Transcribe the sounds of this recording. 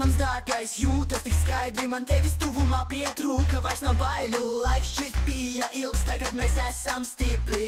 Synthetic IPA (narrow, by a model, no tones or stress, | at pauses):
mansd̪aɾɡajsjuːt̪ast̪ikskajd̪ɾimant̪ɛvʲist̪uvumaːpiɛt̪ɾuːkɐvajsnobajlʲulˠajkst͡ʃɛt̪bijaʔilˠst̪ajkad̪mʲɛːsæsamst̪ipʲlʲi